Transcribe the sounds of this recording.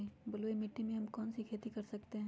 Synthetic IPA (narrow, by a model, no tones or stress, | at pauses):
ibɐlʋemɪʈːimẽɦɐmkɔːnsikʰeːt̪ikɐɾsɐkt̪eɦɛ̃